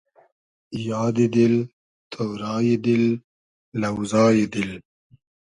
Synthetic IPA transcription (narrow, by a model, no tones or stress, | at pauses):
jɑːd̪id̪ɪl | t̪ʰowɾɑːjed̪ɪlː | awzɑːjed̪ɪl